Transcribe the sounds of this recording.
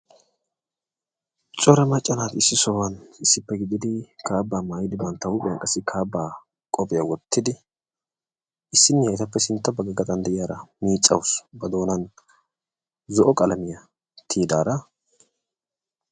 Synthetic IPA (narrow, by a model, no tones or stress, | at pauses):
t͡ʃʼɔɾɛmɐt͡ʃʼːɐnaːt̪ɪsːɪsoːwɐnɪsːɪpːɛɡɪd̪ɪd̪ɪkʰaːbːaːmaːjɪd̪ɪbɐnt̪ːɐwʊpʼɪjɐnkʼɐsːɪkʰaːbːaː | kʼɔpʼɪjɐwɔt̪ʰːɪd̪ɪ | ʔɪsːɪnːɪjɐjɪt̪ɐpːɛsɪnt̪ːɐbɐɡɐɡɐt̪ʼɐnd̪ɛʔɪjaːɾɐmiːt͡sʼːɐwʊsbɐd̪o̞ːnɐn | zɔʔɔkʼɐlɐmɪjɐ | t̪ʰiːd̪aːɾɐ